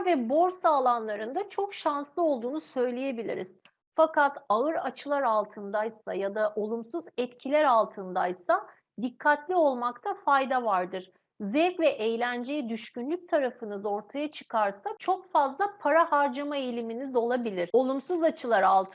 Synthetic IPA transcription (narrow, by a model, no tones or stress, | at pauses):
vɛbo̞ɾsaːlˠanlˠaɾɯnd̪at͡ʃʰo̞kʃanslˠɯo̞lˠd̪uːnusø̞jlʲeje̞bilʲḭɾiz̥ | fakat̪aɯɾat͡ʃʰɯlˠaɾalˠt̪ʰɯnd̪ajsa̰jad̪aʔo̞lˠumsuzɛt̪cʰilʲæɾalˠt̪ʰɯnd̪ajsa | d̪ikʰːat̪lʲio̞lˠmakt̪ʰafajd̪avaɾd̪ɯɾ̥ | zɛkvɛʔejlʲænd͡ʒejid̪yʃcynlʲyc̚ʲt̪ʰaɾafɯnɯzo̞ɾt̪ʰajat͡ʃʰɯ̥kʰaɾsat͡ʃʰo̞kfazlˠapʰaɾahaɾd͡ʒamaejlʲiminizo̞lˠabilʲiɾ̥o̞lˠumsuzat͡ʃʰɯlˠaɾalˠt̪ʰ